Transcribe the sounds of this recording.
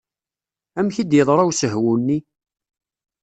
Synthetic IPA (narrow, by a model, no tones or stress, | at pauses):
æmçid̪jəðˤɾˤɑwsəɦwunːi